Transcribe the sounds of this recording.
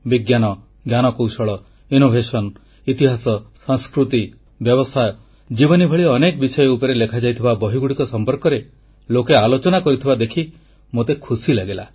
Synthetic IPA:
biɡjanɔ | ɡjanɔkowsɔɭɔ | inobʱesɔn | it̪iɦasɔsɔ̃ŋskɾut̪i | bjɔβɔsʰajɔ | d͡ʒibɔnibʱɔɭiːnekɔbisɔjɔupɔɾelekʰad͡ʒajt̪ʰibabɔɦiɡuɽikɔsɔmpɔɾkɔɾe | lokealot͡ʃɔnakɔɾit̪ʰibad̪ekʰi | mot̪ekʰusilaɡela̰

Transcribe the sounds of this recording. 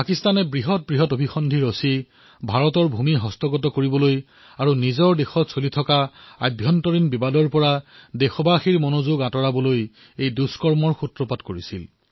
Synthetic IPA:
pakistanɛbɹiɦɔt̚bɹiɦɔtobʱixɔndʱiɹosi | bʱaɹɔtɔɹbʱumiɦɔstɔɡɔtɔkoɹibɔloj | aɹunizɔɹdexɔtsolitʰɔkaa̰bʱjɔntɔɹinbibadɔɹpɔɹadexɔbaxiɹmɔnozuɡatɔɹabɔloj | ejduskɔɹmɔɹxutɹɔpatkoɹisḭl

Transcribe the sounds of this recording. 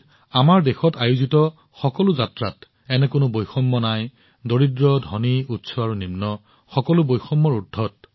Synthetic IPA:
amaɹdexɔtajuzitɔ | xɔkɔlʊzatɹat | ɛnɛkʊnʊbojxɔmːɔnaj | doɹidɹɔdʱɔniutsʰɔaɹunimnɔ | xɔkɔlʊbojxɔmːɔɹudʱːɔt̚

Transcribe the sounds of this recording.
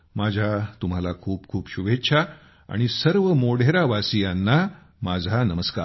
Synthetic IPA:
mad͡ʑʱjat̪um̤alakʰuːpkʰuːpɕuʋetːɕʰa | a̰ɽ̃isəɾʋəmoɽ̤eɾaʋasijanːa | mad͡zʱanəməska̰ː

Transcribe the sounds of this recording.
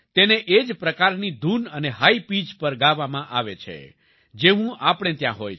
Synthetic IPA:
t̪eneʔed͡ʒpɾəkaɾnid̪ʱunəneɦaipid͡ʒpəɾɡaʋamãʔaʋet͡ʃʰḛ | d͡ʒeʋũʔapəɽ̃et̪jãɦoj

